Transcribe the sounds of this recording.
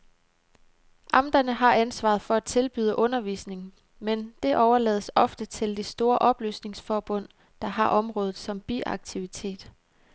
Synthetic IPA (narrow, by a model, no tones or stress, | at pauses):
ʔɑ̈md̥ɐnəɦɑ̈ʔænsʋɑ̰̈ð̩ˠfɒ̽æ̥t͡sʰe̝lb̥yːðˠəʔɔ̽nɐʋḭsne̝ŋ | mend̥e̝ʔɒʊɐlɛ̰ːð̞ˠsɒ̽fd̥ət͡sʰe̝ld̥e̝sd̥o̝ːɐʔɒ̽b̥ly̰ːsne̝ŋsfɒːb̥ɔ̽n̰ | d̥ɑ̈ɦɑ̈ʔɒ̽mʁɔ̽ːð̞ˠð̩ˠsɒ̽mb̥ḭʔɑ̈ɡ̥̚t͡sʰiʋit͡sʰe̝̰ːd̥